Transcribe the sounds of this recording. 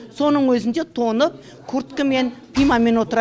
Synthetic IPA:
so̞nəɴwɵzɪnd̪e̞t̪ʰo̞nəp̚ | kʰʊɾt̪kəme̞npʰijmɑme̞nwo̞t̪əɾɑ

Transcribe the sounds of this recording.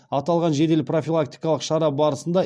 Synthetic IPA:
ɑt̪ɑlˠʁɑnʒe̞d̪e̞lpro̞fʲilˠak̚t̪ijkɑlˠəqʃɑɾɑbɑɾəsənd̪ɑ

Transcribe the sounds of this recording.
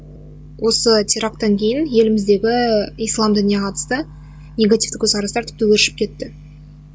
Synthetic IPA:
wʔo̞sət̪ʰeɾɑk̚t̪ɑŋkʲʰe̞jɪnje̞lɪmɪzd̪e̞ɡʲɪijslˠɑmd̪ʏnijeqʰɑt̪ə̥st̪ə | nʲe̞ɡat̪ʲijft̪ɪkʲʰɵzqʰɑɾɑst̪ɑɾt̪ʰɪ̥p̚t̪ɪwɵɾɪʃɪ̥p̚kʲʰe̞t̪ːɪ

